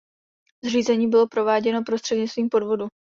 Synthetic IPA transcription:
zr̝iːzɛɲiːbɪlo̞pɾo̞vaːɟɛno̞pɾost̪r̥ɛdɲɪt͡st̪viːmpo̞dvo̞du

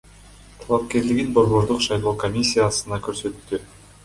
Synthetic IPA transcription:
t̪ʰɑlˠɑp̚kʲe̞ɾlɪɡinbo̞ɾβo̞ɾd̪uqʃɑjlˠo̞ːko̞mʲisʲːijasɯnɑkøɾsø̞t̪t̪ːy

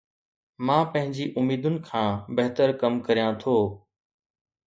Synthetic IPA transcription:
mãːpɐ̃ɦɪ̃ɲd͡ʑiːʔʊmiːd̪ʊnɪ̆kʰãːbɐɦt̪əɾkəmkəɾijãt̪ʰoː

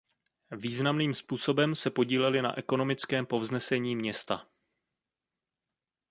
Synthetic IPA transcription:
viːznamniːmspuːso̞bɛmsɛpo̞ɟiːlɛlɪna̰ʔɛko̞no̞mɪt͡skɛːmpo̞vznɛsɛɲiːmɲɛst̪a

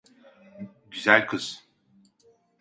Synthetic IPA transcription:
ɟyzælʲkʰɯz̥

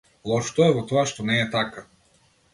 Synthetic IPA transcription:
lˠɔʃt̪ɔɛvɔt̪ɔaʃt̪ɔnɛːt̪aka

